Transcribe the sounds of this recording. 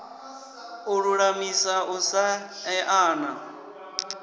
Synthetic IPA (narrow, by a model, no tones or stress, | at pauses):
uɺuɺamisausaɛʔaːna